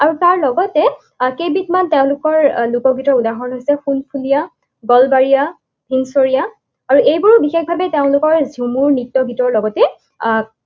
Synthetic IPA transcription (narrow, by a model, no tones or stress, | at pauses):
aɹutaɹlɔɡɔtɛ | kebitmanteʊ̃lʊkɔɹlukɔɡʱitɔudaɦɔnɦojsɛxunpʰulija | ɡɔlbaɹija | bʱinsoɹija | aɹuejbuɹbixexbʱabɛteʊ̃lʊkɔɹzumuɹnitːɔbʱitɔɹlɔɡɔtɛ